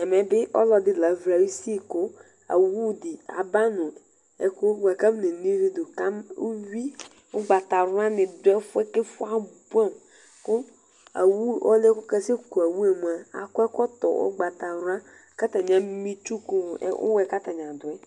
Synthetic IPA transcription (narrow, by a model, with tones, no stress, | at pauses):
ɛ˨mɛ˨bɪ˦ʔɔ̰˦lɔ˨dɪ˦la˨vɾa˨ɾi˦si˦˨kʊ˦ | a̰˨wu˦˨dɪ˨a̰˨ba˦nʊ̃˨ | ɛ˨kʊ˦wa˨ka˦m˦ne˨ni˦ɾi˦dʊ˨ka˦mo˦wi˦ | ʊ˦ɡ͡ba˨ta˨ɾʊ˦ã˦nɪ̃˨dʊ˨˦ɛ˦fʊ˦ɛ˦kɪ˦fʊ˦a˦bu˦a˦˨m | kʊ˦ | a̰˨wu˦˨ʔɔ˦le˦kʊ˦ka˦se˦ku˨a˨wu˦e˨mu˨a˨a̰˨kʊ˦ɛ˦kɔ˦tɔ̰˨ʔʊ̰˦ɡ͡ba˨ta˨ɾʊ˦a˦ | ka˦ta˨ɲ˨a˦mi˦t͡ʃu˦kʊ̰˦˨˦ʊ̰˦wɛ˨ka˦ta˨ɲ˨ã˨dʊ˨ɛ˦